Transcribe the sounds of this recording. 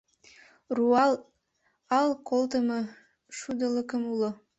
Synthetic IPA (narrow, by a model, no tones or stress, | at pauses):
ruɑl | ɑlˠkʰolˠt̪əmɤ | ʃud̪əlˠəkəmulˠɤ